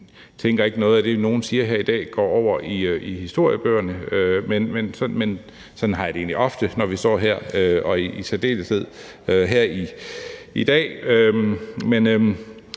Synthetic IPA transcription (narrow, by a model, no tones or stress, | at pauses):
t͡sʰeŋɡ̥ɐe̝ɡ̥ənɔ̽ːð̩ˠæd̥e̝no̝ːn̩siːɐɦeɐ̰id̥ɛ̰ːɡ̥ɒ̰ːɒʊ̰ɐʔiøʔihisd̥o̝ɐ̰jəb̥øːɐnəømenmensɒ̽men | sɒ̽nn̩ɦɑ̈jaɾe̝ːnliʔɒ̽fd̥ənɒʋisd̥ɒ̰ːɦeɐ̰øɒ̽iisʰed̥e̝̰ːləse̝ð̰ˠ | øɦeɐ̰i | id̥ɛ̰ːømmenø